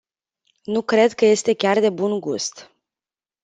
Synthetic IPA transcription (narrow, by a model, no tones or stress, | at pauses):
nukɾe̞d̪kəje̞st̪e̞kʲard̪e̞bunɡṵst̪